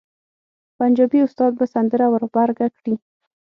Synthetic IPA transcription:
pand͡ʒɑbiʊst̪ɑd̪̚basand̪əɾawəɾbaɾɡakɽi

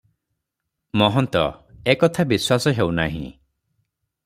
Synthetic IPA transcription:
mɔɦɔnt̪ɔ̰ekɔt̪ʰabiswasɔɦewnaɦḭ̃

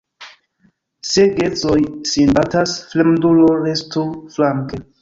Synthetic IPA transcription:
seɡet͡sojsinbatasflemduloɾestuflaŋke

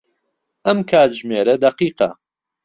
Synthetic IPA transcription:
ʔɐmkʰaːt̪ʒmeːɾɐd̪ɐqiːqɐ̰

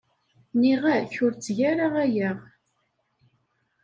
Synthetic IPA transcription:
niʁæçʊɾt͡sːʝæɾaʁæjæʁ

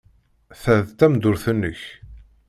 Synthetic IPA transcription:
θæðt̪æmd̪ʊɾθənːəç

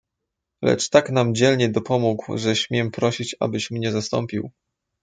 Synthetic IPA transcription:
lɛ̰t͡ʂt̪aknamd͡ʑɛlɲɛd̪ɔpʰɔmuɡwʐɛɕmʲjɛmpɾɔɕit͡ɕa̰bɘɕmɲɛzast̪ɔ̰mpʲiw

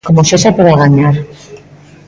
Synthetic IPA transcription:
komosesapoɾaɣaɲaɾ

